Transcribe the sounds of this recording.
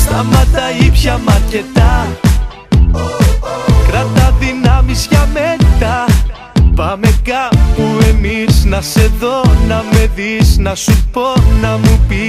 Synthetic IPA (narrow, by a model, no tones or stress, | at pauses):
st̪ɐmɐt̪ɐipçɐmɐɾcet̪ɐ | kɾɐt̪ɐðinɐmisʝɐmet̪ɐ | pɐme̞kɐpue̞miznɐse̞ðo̞nɐme̞ðiznɐsupo̞nɐmupi